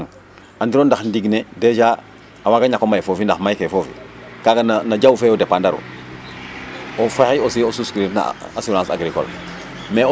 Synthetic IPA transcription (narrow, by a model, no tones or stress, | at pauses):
ŋ | andiɾondaxndiɡneded͡ʒa | awaɡaɲakomajfofindaxmajkefofḭkaɡananad͡ʒawfeodepandaɾṵ | ofahiosiosuskɾitna̰asolãsa̰ɡɾiko̰l | me